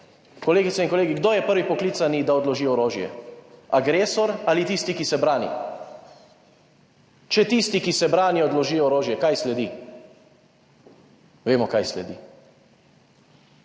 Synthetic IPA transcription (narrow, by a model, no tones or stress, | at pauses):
kɔleːɡit̪sɛinkɔleːɡiɡd̪oːjɛpəɾʋipɔklit̪sanid̪aɔd̪lɔʒiːɔɾoːʒjɛ̰aɡɾeːsɔɾalit̪ist̪ikisɛbɾaːnḭ | t͡ʃɛt̪ist̪ikisɛbɾaːniɔd̪lɔʒiːɔɾoːʒjɛkajslɛd̪i | ʋeːmɔkajslɛ̰d̪ḭ